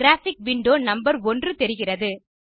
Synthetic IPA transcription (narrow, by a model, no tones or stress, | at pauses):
ɾaːfɪk̚ʋɪɳɖoːnɐmbɐɾɔndrɯt̪ɛɾɪɣɪrɐðɯ